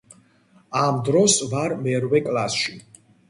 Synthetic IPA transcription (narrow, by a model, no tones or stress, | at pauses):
amd̪ɾɔsvaɾmɛɾvɛkʼlˠasʃi